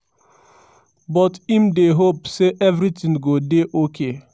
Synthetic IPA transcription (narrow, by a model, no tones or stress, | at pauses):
bɔtim̩deɦopseʔevɾitĩŋɡodeʔokʰe